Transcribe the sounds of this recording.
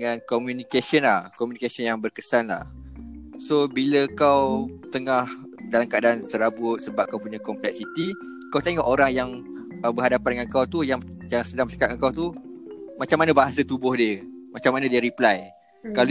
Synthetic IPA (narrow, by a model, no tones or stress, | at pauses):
ŋãnkɔmjunikasənlahkɔmjũnikasənjaŋbərkəsanla̰h | sobiləkawt̪əŋah | dalamkadaansəɾabʊt̪̚səbap̚kawpuɲakɔmplɛk̚sit̪i | kawt̪eŋɔʔoɾaŋjaŋ | əbəɦadapandəŋankawt̪ujaŋ | jaŋsədaŋmbət͡ʃakaʔ̚aŋkawt̪umat͡ʃamanabaɦas̬ət̪ubʊhdiəmat͡ʃamanãdiəɾiplaj | kal